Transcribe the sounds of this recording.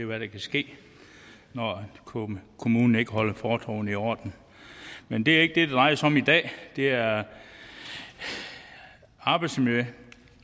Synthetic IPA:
eʋæɾ̥ækʰæsɡ̥e̝̰ː | nɒ | kʰo̝muːnn̩e̝ɡ̥əɦɒ̽l̰ɐfɒːt͡sʰʁɔ̰ʊniɒ̰d̥n̩ | mend̥e̝æɐe̝ɡ̥əd̥e̝d̥ed̥ʁɑ̈ɪɐsɒ̽mid̥ɛ̰ːd̥e̝æɐ | ɑ̈ːb̥ɪd̥smø

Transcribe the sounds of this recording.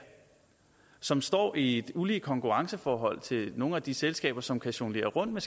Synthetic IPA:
sɒ̽msd̥ɒ̰ːʔied̥uliːkʰɒ̽ŋkʰuʁɑ̈ŋsəfɒːɦɒ̽l̰t͡sʰe̝no̝ːŋ̩n̩æd̥iselsɡ̥ɛ̰ːb̥ɐsɒ̽mkʰæɕo̝ŋle̝̰ːɐʁɔ̽n̰d̥̚mes

